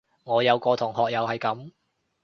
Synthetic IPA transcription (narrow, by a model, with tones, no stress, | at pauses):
ŋɔː˨˧jɐ˨˧wkɔː˧t̪ʰʊ˨˩ŋɦɔː˨k̚jɐ˨whɐ˨jkɐ˨˥m